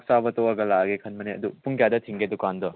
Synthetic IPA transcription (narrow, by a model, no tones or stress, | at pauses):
k̚sabɐtɔɐɡɐlaɡekʰɐnmɐneɐ̰dupuŋkjadɐtʰiŋɡedukandɔ